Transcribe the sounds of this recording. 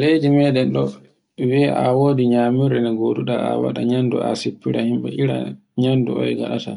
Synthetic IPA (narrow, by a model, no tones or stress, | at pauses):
lejdimɛdɛnɗɔ | wiɛʔawoːdiɲaːmiɾɛnɛɡoduɗaa̰wa̰ɗaɲandṵʔa̰sepːiɾahimɓɛʔiɾa̰ | ɲandṵɔ̰jɡa̰ɗata̰